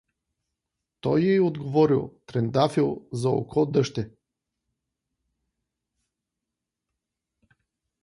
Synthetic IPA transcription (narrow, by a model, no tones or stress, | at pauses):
t̪ɔjɛod̪ɡovɔɾilˠt̪ɾɛnd̪afilˠzɐo̰kɔd̪əʃt̪ɛ